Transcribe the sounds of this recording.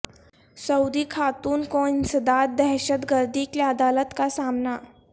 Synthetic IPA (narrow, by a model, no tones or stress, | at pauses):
səwd̪iːkʰat̪uːnkɔinsəd̪at̪̚d̪ɛɦɕət̪ɡəɾd̪ikaəd̪alət̪kasamna